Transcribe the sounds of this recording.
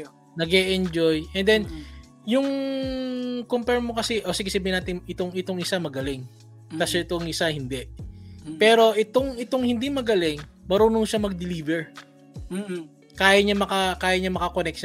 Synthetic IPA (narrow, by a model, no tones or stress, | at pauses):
nɐɡɛʔɛnd͡ʒojʔɛnd̪ɛn | jʊŋ | kompɛɹmokɐsɛʔosɪɡɪsɐbiːhɪnaːt̪ɪnɪt̪oŋɪt̪oŋɪsamɐɡɐlɪŋ | t̪ɐsoɪt̪oŋʔɪsahɪnd̪ɛʔpɛːɾo̞ʔɪt̪oŋɪt̪oŋhɪnd̪imɐɡɐlɪŋmɐɾuːnoŋʃamɐɡ̚d̪ɪliːvɛɹ | kaːjɐɲɐmɐkɐkaːjɐɲamɐkɐkonɛk̚ʃ